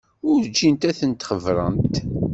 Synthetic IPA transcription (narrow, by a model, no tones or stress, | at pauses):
ʊɾd͡ʒːint̪æθənt̪χəvɾˤə̰nt̪